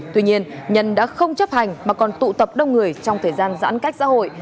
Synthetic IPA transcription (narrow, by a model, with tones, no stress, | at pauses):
t̪wi˧ɲi˧ənɲə˨˩nɗa̰ː˧˥xə˧wŋ͡mt͡ɕə˦˥p̚ha˨˩jŋ̟maː˨˩kɔ˨˩nt̪ṵ˧˨t̪ə˨˩p̚ɗə˧wŋ͡mŋɨ˨˩əjt͡ɕɔ˧wŋ͡mt̪ʰəː˨˩jzaː˧nza̰ː˧˥nka˦˥jk̟̚sa̰ː˧˥ɦho̰˧˨j